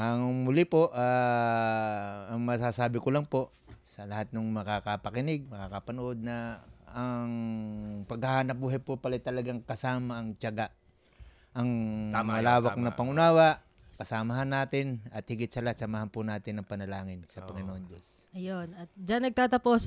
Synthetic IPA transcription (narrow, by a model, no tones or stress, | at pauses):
ʔɐŋmʊlɪpoʔaː | ɐŋmɐsasaːbɪkʊlɐŋpo̞ | sɐlɐhat̪̚nʊŋmɐkakɐpɐkɪnɪɡ̚mɐkakɐpɐnʊʔo̞d̪̚nɐː | ŋ | pɐɡhɐhaːnɐp̚buːɦajpopɐlajt̪ɐlɐɡaŋkɐsaːmaʔɐŋt͡ʃɐɡaʔ | ʔɐŋmɐlaːwak̚nɐpɐŋʊnaːwaʔ | kɐsamaɦanːaːt̪ɪnɐt̪̚hɪɡɪt̪sɐlahat̪̚sɐmahanpʊnaːt̪ɪnɐŋpɐnɐlaːŋɪnsɐpɐŋɪnoʔond͡ʒo̞s | ɐjonɐt̪̚d͡ʒanːɐɡ̚t̪aːt̪ɐpos